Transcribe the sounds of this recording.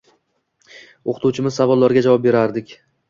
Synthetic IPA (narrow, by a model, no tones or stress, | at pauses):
oqʰɨ̥t̪ʰuwt͡ʃʰɪmɪzsavɒlˠːaɾɡʲad͡ʒavɒp̚be̞ɾaɾd̪ɪkʲ